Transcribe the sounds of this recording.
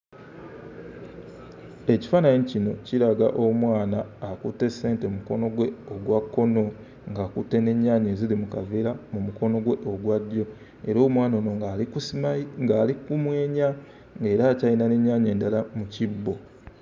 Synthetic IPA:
e̞ci̥fanaɲicino̞ciɾaɡa̰ʔo̞mwaːnaːkutːe̞se̞ːnte̞muko̞no̞ɡwe̞oɡwakːo̞no̞ | ŋɡakutːe̞ne̞ɲːaːɲe̞ːzilimukaveɾamumuko̞no̞ɡwe̞ʔo̞ɡwadjo̞ | e̞ɾo̞ːmwaːnoːno | ŋɡalikumwe̞ːɲa | ŋɡe̞ːɾaːcajinane̞ɲːaːɲe̞ːndalamucibːo̞

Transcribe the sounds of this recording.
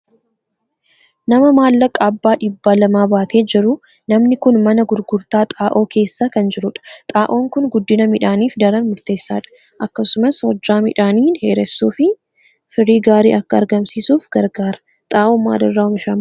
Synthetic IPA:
nɐmɐmaːlːɐkʼːaːbːaːᶑɪbːaːlɐmaːbaːt̪ʰe̞ːd͡ʒɪɾʊ | nɐmnɪkʊnmɐnɐɡʊɾɡʊɾt̪aːt̪ʼaːʔo̞ːke̞ːsːakɐnd͡ʒɪɾʊᶑɐ̥t̪ʼaːʔo̞ːŋkʊnɡʊd̪ːɪnɐmɪᶑaːniːfd̪ɐɾɐnmʊɾt̪e̞ːsːa̰ːᶑɐ̥ | ʔɐkːɐsʊmɐswɔd͡ʒːaːmɪᶑaːniːnheːɾɛsːuːfɪ | fɪɾiːɡaːɾḭːʔɐkːɐɐɾɡɐmsiːsuːfɡ̥ɐɾɡaːɾɐ̥ | t̪ʼaːʔoːmːa̰ːd̪ɐrːaːʊmɪʃaːm

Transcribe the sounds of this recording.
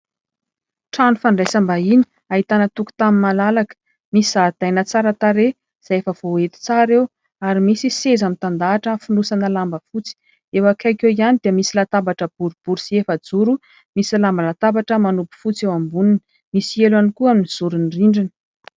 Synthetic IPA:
ʈ͡ʂanufaɳɖ͡ʐajsambaini̥ | aɦit̪anət̪uku̥t̪aminmalalakə̥ | misizad̪̥ajnət͡saɾət̪aɾe | z̥aefəvoet̪i̥t͡saɾew | aɾimisisezamint̪and̪aːʈ͡ʂəfunusanəlambəfut͡si̥ | ewakajkewianid̪iəmisilat̪abaʈ͡ʂəb̥uɾub̥uɾusiefəd͡zuɾu | misilambalat̪abaʈ͡ʂəmanupu̥fut͡sewambuninə | misielanikuaminiz̥uɾuniriɳɖ͡ʐinə

